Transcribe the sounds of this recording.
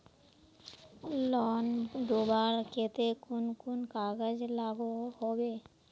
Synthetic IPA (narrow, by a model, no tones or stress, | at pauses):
lɔnd̪obaɾket̪ekunkunkaɡad͡ʑlaɡohɔbe